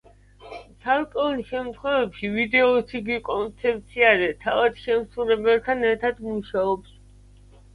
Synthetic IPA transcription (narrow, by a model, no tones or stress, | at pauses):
t̪sʰalkʼɛulʃɛmt̪ʰχwɛvɛpʃivid̪ɛɔt̪sʰiɡikʼɔnt̪sʰɛp̚t̪sʰiaɾɛt̪ʰavad̪ʃɛmsulɛbɛt̪ʰanɛɾt̪ʰad̪muʃaɔps